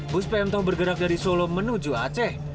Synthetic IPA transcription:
bʊspɛɛmt̪ɔhbərɡəɾak̚daɾisolomənud͡ʒuat͡ʃɛh

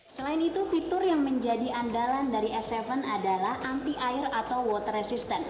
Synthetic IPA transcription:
səlaɪnit̪ufit̪ʊrjaŋməɲd͡ʒadiʔandalandaɾiɛsɛvənadalahampiʔaɪrat̪awwɔt̪rɛsist̪ən

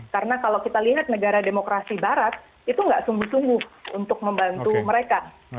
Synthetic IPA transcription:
kaɾənakalawkit̪aliɦat̪̚nəɡaɾademokɾasibaɾat̪̚ | it̪uŋɡaʔsuŋɡʊhsuŋɡʊhṵnt̪ʊk̚məmbant̪uməɾeka

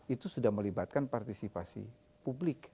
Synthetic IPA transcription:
it̪usudahməlibat̪̚kanpart̪isipasḭ | publɪk

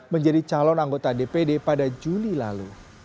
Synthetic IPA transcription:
məɲd͡ʒadit͡ʃalɔnaŋɡot̪adepedepadad͡ʒulila̰lu

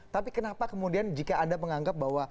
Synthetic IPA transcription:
t̪apikənapakəmudiand͡ʒikaːndaməŋaŋɡap̚bawa

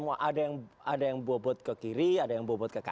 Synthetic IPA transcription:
muaʔadajaŋadajaŋbɔbɔt̪̚kəkiɾiadajaŋbuɔbɔt̪̚kəka

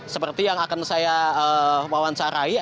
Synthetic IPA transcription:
səpərt̪ijaŋakansajaəwawaɲt͡ʃaɾai

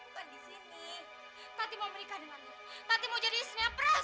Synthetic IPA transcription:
kandisini | t̪ant̪imauməɾikadəŋana | t̪ant̪imaud͡ʒadisnapɾa

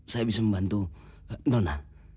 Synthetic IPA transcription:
sajbisʌmbant̪u | nɔna

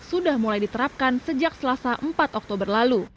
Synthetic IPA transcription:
sudahmulajdit̪əɾap̚kansəd͡ʒak̚səlasaʔəmpat̪ɔk̚t̪obərlalu

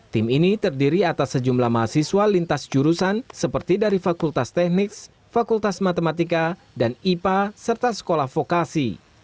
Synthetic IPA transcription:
t̪iminit̪ərdiɾiat̪asːəd͡ʒumlahmaasisualint̪asd͡ʒuɾusansəpərt̪idaɾifakult̪ast̪ɛk̚nɪks | fakult̪asmat̪emat̪ika | danipasərt̪asə̥kolahfokasḭ

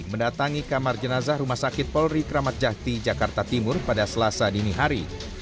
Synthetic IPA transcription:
məndat̪aŋikamard͡ʒənazahrumahsakɪt̪̚pɔlɾikəɾamat̪̚d͡ʒaht̪id͡ʒakart̪at̪imʊrpadasəlasadiniɦaɾi

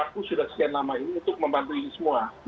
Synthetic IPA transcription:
akusudahsə̥kianlamainiunt̪ʊk̚məmbant̪uinisəmua

